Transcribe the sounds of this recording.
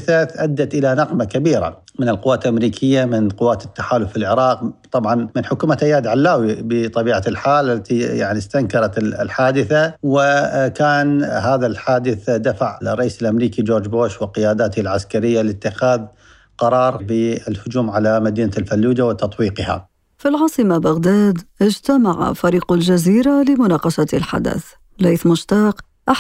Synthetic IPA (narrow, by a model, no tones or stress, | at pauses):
θaʔad̪ːat̪ʔɪlanɑqmakabiːɾa̰ | mɪnɪlqʊwːaːt̪lʔamɾiːkʰɪjːamɪnqʊwːaːt̪ɪt̪ːḁħaːlʊfːɪlʕɪɾˤɑːqt̪ˤɑbʕɑnmɪnħʊkuːmat̪ʔajːaːd̪ʕalːaːwibɪt̪ˤɑbiːʕalħaːlalːat̪ija̰ʕnist̪aŋkɑɾˤɑt̪lħaːd̪ɪθawɪkaːnɦaːðalħaːd̪ɪθd̪afaʕrˤːɑʔiːsɪlʔamɾiːkid͡ʒoːɾˤd͡ʒboːʃwɪlqɪjaːd̪aːt̪lʕaskaɾɪjːalɪt̪ːɪxaːð | qɑɾˤɑːɾˤbɪɪlhʊd͡ʒuːmʕalamad̪iːnalfalːuːd͡ʒawɪt̪ɑt̪ˤwiːqɪha̰ | filʕɑːsˤɨmabaɣd̪aːd̪ʔɪd͡ʒt̪amaʕa̰faɾiːqald͡ʒaziːɾalɪmʊnɑːqɑʃalħa̰d̪a̰θ | leːθmʊʃt̪ɑːq | ʔa